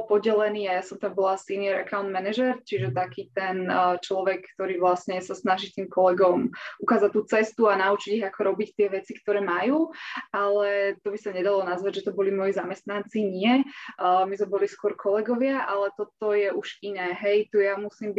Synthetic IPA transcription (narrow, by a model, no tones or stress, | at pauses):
lpɔɟɛlɛniːajasɔmt̪ambɔlasinɪɛɾakaʊnd̪mɛnɛʒɛɾt͡ʃiʒɛt̪akiːt̪ɛnt͡ʃlɔʋɛkːt̪ɔɾiːʋlasɲɛsasnaʒiːt̪iːmkɔlɛɡɔmukaːzat̪ːuːt͡sɛst̪uanaut͡ʃiɟiɦakɔɾɔbict̪ɪɛʋɛt͡sikt̪ɔɾɛːmajuːalɛt̪ɔbisaɲɛd̪alɔnazʋaɟʒɛt̪ɔbɔlimɔjiːzamɛst̪nant͡siɲɪɛ | mizmɛbɔliskʊɔɾkʰɔlɛɡɔʋɪaʔalɛt̪ɔt̪ɔjɛʔuʒinɛːɦɛjt̪ujamusiːmbi